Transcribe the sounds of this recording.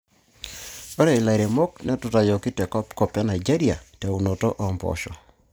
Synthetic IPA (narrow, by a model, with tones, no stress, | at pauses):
o˦ɾɛ˨i˨la˨ɾe˨mo˦knɛ˦tʊ˨ta˨jɔ˨ki˦tɛ˨kɔ˦pkɔ˨pja˦na˨jd͡ʒe˦ɾi˦a˨tɛ˨u˨no˨to˦ʔɔ˨mbɔ̰˨ʃɔ̰˨